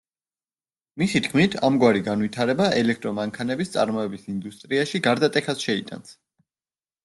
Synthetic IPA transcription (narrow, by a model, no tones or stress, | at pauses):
misit̪ʰkʰmit̪ʰamɡwaɾiɡanwit̪ʰaɾɛbaʔɛlɛk̚ʰt̪ʼɾɔmaŋkʰanɛbist̪sʼa̰ɾmɔɛbisind̪ust̪ʼɾiaʃiɡaɾd̪at̪ʼɛkasʃɛit̪ʼa̰ns